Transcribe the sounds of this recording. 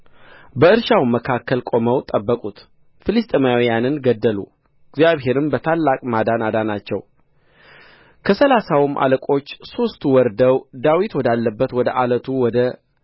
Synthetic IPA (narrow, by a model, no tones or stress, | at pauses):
bəɨɾʃawməkʰakʰːəlkʼo̞məwt̪ʼəbːəkʼut̪ | filist̪ʼmajawijanɨnɡəd̪ːəlṵ | ɪɡzjaβɦe̞ɾɨmbət̪ʰalːakʼmad̪anad̪anat͡ʃːɛw | kʰəsəlasawmʔa̰ləkʼo̞t͡ʃːso̞st̪wɔɾd̪əwd̪awit̪wɔd̪alːəbːət̪wɔd̪əʔalət̪ʰuwɔd̪ə